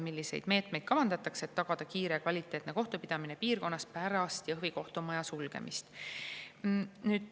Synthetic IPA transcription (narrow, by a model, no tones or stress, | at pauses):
milʲːise̞̰jd̪̥me̞ːt̪me̞jd̪̥kɑvɑnd̪̥ɑt̪ːˑɑkse̞t̪ːɑɡ̥ɑd̪̥ɑkiːɾe̞kvɑlʲit̪ːˑe̞ːt̪ˑneko̞ht̪upid̪̥ɑmine̞piːrko̞nːɑst̪pæɾɑst̪jɑɤɦviko̞ht̪omɑjɑsulɡ̥ḛmʔḭst̪ | nyːd̪̥